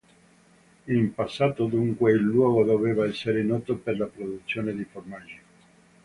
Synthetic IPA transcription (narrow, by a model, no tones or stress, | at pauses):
impasːaːt̪od̪uŋkweilːwɔːɡod̪oveːvaɛsːeɾenɔt̪operlapɾod̪ut̪sːjoːned̪iformad͡ʒi